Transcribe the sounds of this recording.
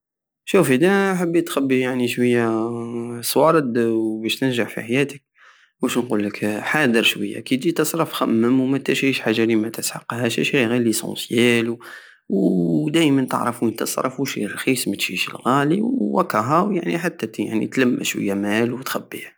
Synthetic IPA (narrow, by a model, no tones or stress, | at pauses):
ʃufid̪æħəbːit̪xæbːijaʕniʃwəjːæ | sˤwɑɾˤəd̪wbæʃt̪ənʒaħfḭħajæt̪ək̚ | wæʃnqulːəkħad̪əɾʃwəjːæ̰kid̪it̪əsˤɾˤəfxæmːəmwmæt̪æʃʃħaʒːalimæt̪əsħɑqːhæʃæʃiɣilisɑ̰̃sjæl | wd̪æjmənt̪ə̰ʕɾˤɑfuənt̪əsˤɾˤɑfuʃḭrˤxismæt̪ʒḭʃə̰lɣæliwwækːɑɦæwjaʕniħat̪ːæja̰ʕnḭt̪læmːæ̰ʃwə̰jːæmælwt̪xæbːihæ